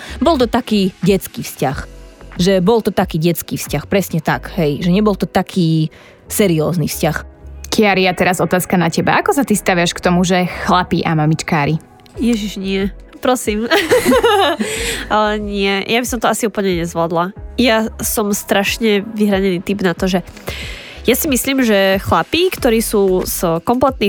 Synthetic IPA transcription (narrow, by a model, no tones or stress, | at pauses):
bɔlˠt̪ɔt̪akiːɟɛt͡skiːfscaxʒɛbɔlt̪ɔt̪akiːɟɛt͡skiːfscaxpɾɛsɲɛt̪akɦɛjʒɛɲɛbɔlt̪ɔt̪akʰiː | sɛɾiɔːznḭfscaxkʰiaɾiat̪ɛɾazɔt̪aːskanacɛba̰ʔakɔsat̪ist̪aʋɪaʃkt̪ɔmuʒɛxlapiʔamamit͡ʃkaːɾi | jɛʒiʒɲɪɛpɾɔsiːm | ɲɪɛjʔabisɔmt̪ɔasiuːpl̩ɲɛɲɛzʋlad̪lajasɔmst̪ɾaʃɲɛʋiɦɾaɲɛniːt̪ibnat̪ɔʒɛ | jasimisliːmʒɛxlapikt̪ɔɾiːsuːz̥kɔmplɛt̪̚ni